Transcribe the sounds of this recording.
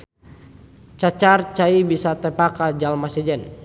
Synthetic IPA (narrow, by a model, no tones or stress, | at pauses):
t͡ʃat͡ʃart͡ʃaibisat̪ɛpakad͡ʒalmasɛd͡ʒɛn